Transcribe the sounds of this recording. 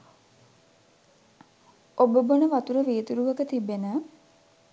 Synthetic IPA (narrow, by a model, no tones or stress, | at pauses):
obəbənəʋat̪uɾəʋeːt̪uɾuʋəkət̪ibenə